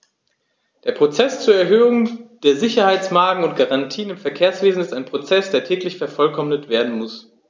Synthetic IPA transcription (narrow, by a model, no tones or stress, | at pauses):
d̥eːɐpʁ̥ot͡sɛst͡suːɐɛɐɦøːʊŋd̥eːɐzɪçɐhaɪt͡smaːɡŋ̩ʊntɡ̥aʁantʰiːənɪmfɛɐkʰeːɐsv̥eːzn̩ɪstaɪnpʁ̥ot͡sɛsd̥eːɐtʰɛːklɪçfɛɐfɔlkʰɔmnətv̥eːɐdn̩mʊs